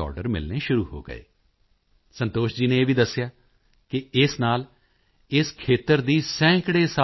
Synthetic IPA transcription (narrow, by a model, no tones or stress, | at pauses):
ɔ̰ːɾɖəɾmɪ̰lneːʃʊɾuːho̰ːɡə̰ḛː | sənt̪oːʃd͡ʒiːnẽːeːʋiːd̪əsːɪjaː | kɪɪsnaːl | ɪskʰeːt̪əɾd̪iːsɛ̃ːkɽeːsa